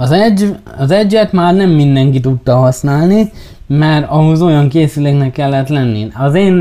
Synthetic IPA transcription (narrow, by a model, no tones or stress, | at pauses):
ɒzɛɟːɒzɛɟːɛt̪maːrnɛmːind̪ɛŋkit̪ut̪ːɒɦɒsnaːlni | mɛɾɒɦozo̞jɒŋkeːsyleːknɛkːɛlːɛt̪lɛnːḭɒzeːn